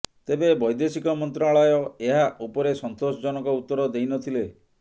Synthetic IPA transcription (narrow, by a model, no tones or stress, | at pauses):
t̪ebebɔjd̪esikɔmɔnt̪ɾaɭɔjɔeɦaʔupɔɾesɔnt̪osɔd͡ʒɔnɔkɔut̪ːɔɾɔd̪ejnɔt̪ʰile